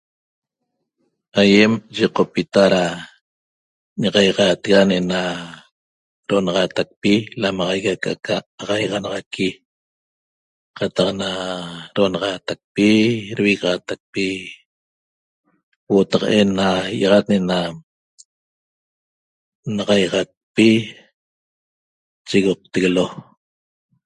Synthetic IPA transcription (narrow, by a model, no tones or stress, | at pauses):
ajemʒiqopit̪aɾa | ɲaʁɑjʁɑːt̪eɣanʔena | ɾoʔonɑʁɑːt̪ak̚pilamɑʁɑjɣaka̰kʰaʁɑjʁɑnɑʁɑkʰi | qɑt̪ɑqnaɾoonɑʁɑːt̪ak̚piɾwiɣʁat̪ak̚pi | wot̪ɑqʔenːaʔɑʁɑt̪neʔena | naʁɑjʁɑt̪̚pi | t͡ʃiɣoq̚t̪eɣelo